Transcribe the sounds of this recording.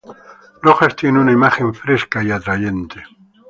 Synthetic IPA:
noχast̪ʰjenunaimaχeɱfɾeskaiat̪ɾajent̪ɪ

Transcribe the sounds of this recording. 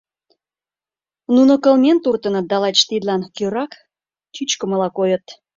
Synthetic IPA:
nunokəlmʲent̪urt̪ənət̪̚d̪ɑlɑt͡ɕt̪id̪lɑnkøɾɑk | t͡ɕyt͡ɕkə̆məlɑkojət̪

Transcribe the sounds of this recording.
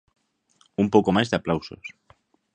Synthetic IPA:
umpoko̞mazðeaplawso̰s

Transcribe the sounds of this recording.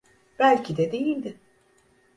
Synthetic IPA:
b̥ælʲcʰid̪ɛd̪e̞jilʲd̪ɪ

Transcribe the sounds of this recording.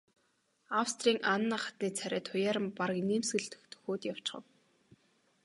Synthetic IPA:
awst̪ʰriːŋʔanːaːχḁt̪niːt͡sʰæɾʲæːt̪ʰʊjaːɾə̆mpaɾə̆kniːmsɣɘ̆ɮt̪ɵ̥̆xt̪ʰɵ̥xoːt̪jaw̥t͡ɕχə̰̆w

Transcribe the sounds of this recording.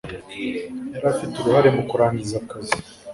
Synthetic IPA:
jaɾafituɾuhaɾe̞mukuɾaɲizakazi

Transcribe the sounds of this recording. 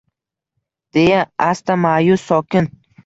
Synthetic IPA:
d̪̥ejaast̪amajʊsɒkʲʰɪn

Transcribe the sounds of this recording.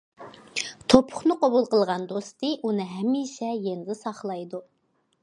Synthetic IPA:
t̪ʰopʰʊχnɨqʰɑbulˠqəlˠʁɑnd̪ost̪ɨʔunɨɦɛmːiʃɛjenɪd̪ɪsɑχlˠɑjd̪u

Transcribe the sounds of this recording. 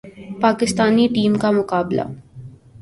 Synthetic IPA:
paːkɪst̪aːniʈiːmkamʊkaːbla̰

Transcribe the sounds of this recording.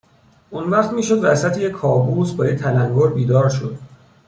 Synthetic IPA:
ʔunvæːɣt̪miːʃo̞d̪væsæt̪ʰejekʰːɒːbuːsbɒːjet̪ʰælæŋɡoɾbiːd̪ɒːɾʃo̞d̪̥

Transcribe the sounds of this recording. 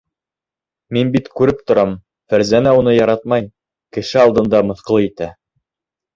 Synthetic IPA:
minbit̪kʉɾɘp̚t̪ŏɾɑm | fæɾzænæunɤjɑɾɑt̪̚mɑj | kɘ̆ʃɘɑlˠd̪ɤ̆nd̪ɑmɤ̆θqɤ̆lˠɤit̪æ

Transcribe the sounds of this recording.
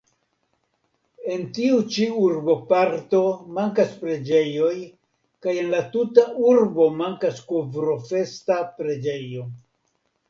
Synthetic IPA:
e̞ntiut͡ʃiuɾbo̞paɾto̞maŋkaspɾe̞d͡ʒe̞jo̞j | kaje̞nlatutaʔuɾbo̞maŋkaskovɾo̞fe̞stapɾe̞d͡ʒe̞jo̞

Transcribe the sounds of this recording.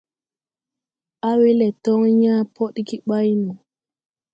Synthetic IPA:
ʔawilɛtɔŋɲaːpʰɔɗkiɓajnu

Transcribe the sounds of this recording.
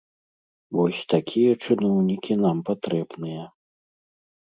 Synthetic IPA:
vɔsʲt̪akʲʰijɛt͡ʂɨnɔwnʲikʲinampat̪ɾɛbnɨjɛ

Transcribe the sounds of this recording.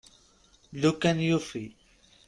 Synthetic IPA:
ʎʊkanjʊfi

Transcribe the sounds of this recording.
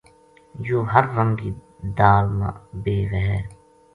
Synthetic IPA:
joːɦɐɾːɐ̃ŋɡi | d̪aːlma̰beːʋɛɦɛ

